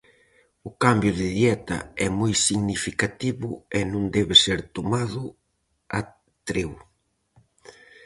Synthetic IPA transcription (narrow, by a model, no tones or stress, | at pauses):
ʊkambjʊðɪðjɛt̪ɐ̰ɛmojsiɣnifikat̪iβʊɛnũŋd̪ɛβeseɾt̪omaðʊ | ɐ | t̪ɾew